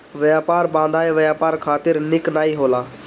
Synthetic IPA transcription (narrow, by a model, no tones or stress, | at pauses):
ʋjaːpaːɾbãːnd̪ʱaːeːʋəjaːpaːɾkʰaːt̪ɪɾnɪknaːiɦoːlaː